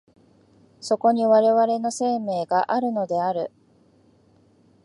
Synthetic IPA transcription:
so̞ko̞ɲ̟iβaɾe̞βaɾe̞no̞se̞ːme̞ːɡaʔaɾɯ̟no̞d̪e̞aɾɯ̟

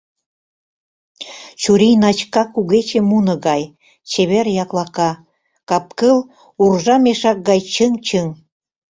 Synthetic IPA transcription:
t͡ɕuɾijnɑt͡ɕkɑkuɣet͡ɕemunɤ̆ɣɑj | t͡ɕeβerjɑklɑkɑ | kɑp̚kəl | urʒɑmeʃɑk̚ɡɑjt͡ɕəŋt͡ɕəŋ

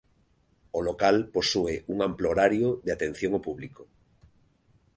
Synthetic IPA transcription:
olokalposueʔuŋãmploɾaɾjoðeat̪ẽn̟θjõŋopuβliko

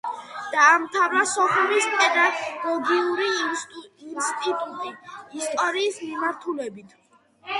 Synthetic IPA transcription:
d̪̥aːmt̪ʰavɾasɔpʰumispʼɛd̪aɡ̥ɔɡiuɾiː | nst̪ʼit̪ʼut̪ʼiːst̪ʼɔɾiːsmimaɾt̪ʰulɛbit̪ʰ

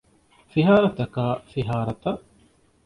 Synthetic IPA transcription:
fiɦaːɾɐt̪ɐkaːfiɦaːɾɐt̪ɐʔ

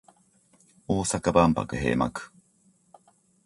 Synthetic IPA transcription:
oːsakabampa̰kɯɦḛːma̰kɯ̥

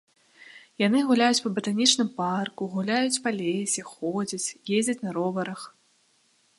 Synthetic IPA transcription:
janɨɣulʲajut͡sʲpɐbɐt̪anʲit͡ʂnɨmparkuɣulʲajut͡sʲpalʲesʲixɔd͡zʲɐt͡sʲjezʲd͡zʲɐt͡sʲnɐɾɔvɐɾɐx

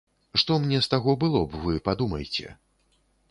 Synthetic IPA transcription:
ʂt̪ɔmnʲɛst̪aɣɔbɨlˠɔbvɨpad̪umɐjt͡sʲɛ̰

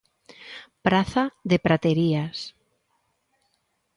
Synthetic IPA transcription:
pɾaθaðepɾat̪eɾias

